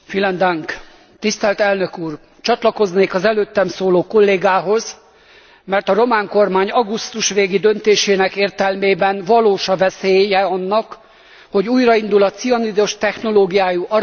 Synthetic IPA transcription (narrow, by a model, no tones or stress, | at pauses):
filɛnd̪ɒŋk | t̪ist̪ɛlt̪ɛlnøkuːr | t͡ʃɒt̪lɒko̞zneːkɒzɛløːt̪ːɛmsoːloːko̞lːeːɡaːɦo̞z | mɛrt̪ɒɾo̞maːŋko̞rmaːɲɒɡust̪uʃʋeːɡid̪ø̞nt̪eːʃeːnɛkeːrt̪ɛlmeːbɛnvɒloːʃɒvɛseːjɛɒnːɒk | ho̞ɟuːjrɒind̪ulɒt̪siɒnid̪o̞ʃt̪ɛxno̞loːɡijaːjuʔɒ